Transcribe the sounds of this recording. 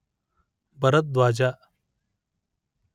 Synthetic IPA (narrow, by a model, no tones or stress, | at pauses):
bəɾət̪̚d̪ʋaːd͡ʑaː